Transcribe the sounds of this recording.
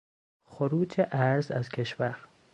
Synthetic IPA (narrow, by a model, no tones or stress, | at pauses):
xʊɾuːd͡ʒeʔaɾza̰zkʰeʃwaɾ